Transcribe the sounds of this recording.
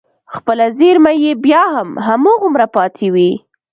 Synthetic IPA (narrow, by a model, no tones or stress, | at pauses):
xpəlazeɾmajebjɑhamɦamoɣʊmɾapɑt̪ʰewi